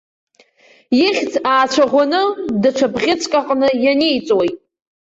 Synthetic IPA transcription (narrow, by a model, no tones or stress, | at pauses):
jiχʲd͡zʰaːt͡ʃʷʰaʁʷanɨdaʈ͡ʂʷʰabʁʲɪt͡sʷʰʼkʼaqʼnɨjane̞jt͡sʼwojtʼ